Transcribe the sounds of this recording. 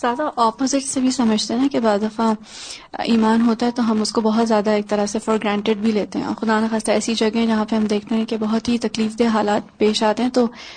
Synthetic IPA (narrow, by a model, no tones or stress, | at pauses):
z̥jaːd̪aʔɔːpozɪʈsebʱisɐməd͡ʒʱt̪enakebaːzd̪ɐfa | iːmaːnɦoːt̪aɦɛt̪oɦɐmʊskobɐɦʊt̪zjaːd̪aeːk̚t̪ɐɾəsefɔːɾɡɾɛ̃ːɳʈeɖ̚bʱileːt̪eɦɛ̰̃ɔ̰ːɾxʊd̪aːnaxaːst̪aɛːsid͡ʒɐɡɦɛ̃d͡ʒɐɦãpeɦɐmd̪eːkʰt̪eɦɛ̃kebɐɦʊt̪ɦit̪ɐkliːfd̪eɦaːlaːt̪̚peːʃaːt̪eɦɛ̃t̪oː